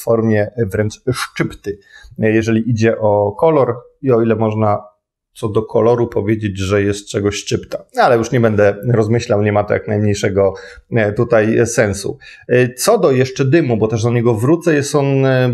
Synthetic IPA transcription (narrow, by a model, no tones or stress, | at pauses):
fɔɾmʲjɛvɾɛnt͡ʂʂt͡ʂɘpt̪ɘ | jɛʐɛlʲiʔid͡ʑɛʔɔkɔlɔɾ | iɔilɛmɔʐna | t̪sɔd̪ɔkʰɔlɔɾupɔvʲjed͡ʑed͡ʑʐɛjɛst̪̚t͡ʂɛɡɔɕʂt͡ʂɘpt̪aalɛjuʂɲɛbɛnd̪ɛɾɔzmɘɕlawɲɛmat̪ɔ̰ja̰knajmɲejʂɛɡɔ | t̪ut̪ajsɛnsṵ | t̪sɔd̪ɔjɛʂt͡ʂɛd̪ɘmubɔt̪ɛʐd̪ɔɲɛɡɔvɾut̪sɛjɛst̪ɔn